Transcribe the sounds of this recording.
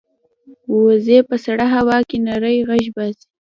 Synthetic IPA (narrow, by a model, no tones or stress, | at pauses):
wozepəsaɽaɦawɑkenaɾəjɣaʃbɑsi̥